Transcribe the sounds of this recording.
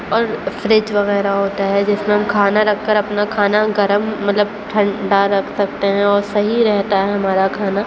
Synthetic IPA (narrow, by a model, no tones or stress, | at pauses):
ɔːɾfɾɪt͡ʃʋɐɣɛːɾaɦoːt̪aɦɛd͡ʒɪsmẽɦɐmkʰaːnaɾɐkʰːəɾɐpnakʰaːnaɡɐɾəmːɐt̪ləb̚ʈʰɐ̃ɳɖaɾɐkʰsɐk̚t̪eɦɛ̃ɔːɾsɐɦiɾɛɦt̪aɦɛɦɐmaːɾakʰaːna